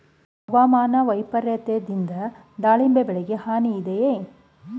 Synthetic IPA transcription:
ɐʋaːmaːnɐʋɐjpɐɾjɐt̪ed̪ind̪ɐ | d̪aːɭimbebɛɭeɡehaːniːd̪eje

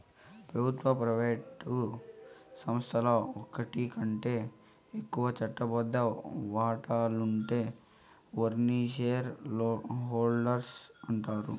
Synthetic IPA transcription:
pɾɐbʱut̪ʋɐpɾɐʋeːʈu | sɐmst̪ʰɐlɐɔkɐʈikɐɳʈe̞ː | ekːuʋɐt͡ʃɐʈːɐbɐd̪ːɐʋaːʈaːluɳʈe̞ː | ʋɐɾniʃeɾ | ɦoːlɖɐɾsɐɳʈaːɾṵ

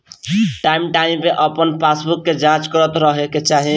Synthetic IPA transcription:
ʈaimʈaimpeʔəpənpʰasbukːed͡ʒãt͡ʃkəɾət̪ɾəɦeket͡ʃaɦi

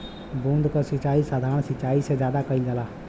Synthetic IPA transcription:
bũnd̪ʱkəsit͡ʃaisad̪ʱaɾənsit͡ʃaised͡ʒjad̪akəild͡ʒala

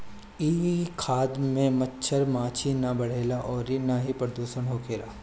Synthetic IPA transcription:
iːʋikʰaːd̪mẽmɐtːʃʰəɾmãːt͡ʃʰinabɐɽ̤eːlaʔɔːɾinaɦipɾɐɾd̪uːʃənɦoːkʰeːlaː

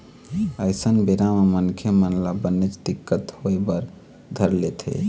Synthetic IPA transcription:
əjsənbeɾaməmənkʰjəmənlabənːet͡ʃd̪ikːət̪hojbəɾ | d̪ʱəɾlet̪ʰḛ

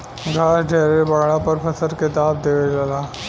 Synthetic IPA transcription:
ɡʱaːʃɖʱeːɾebaːɽapɐɾpʰɐsəɾkɪt̪aːbd̪eːʋed͡ʒɐlaː

